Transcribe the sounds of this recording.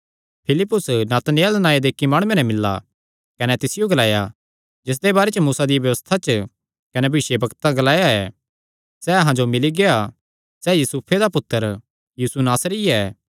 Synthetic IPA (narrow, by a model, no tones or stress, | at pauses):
pʰɪlɪpːʊsnaːt̪nejəld̪ənaːjed̪eːkːimaːɽ̃ʊjẽnɛ̃mɪlːa̰ | kɐnɛt̪ɪsɪjoɡɐlaːja | d͡ʒɪs̬d̪ebaːɾet͡ʃəmuːsad̪ijbjɐʋəst̪ʰat͡ʃə | kɐnɛbʱɐʋɪʃjebɐkt̪ãɡɐlaːjaɛː | sɛɐɦãd͡ʒomɪliɡea | sɛjuːsupʰed̪apʊt̪ːəɾ | jiːsunaːsɾiɛː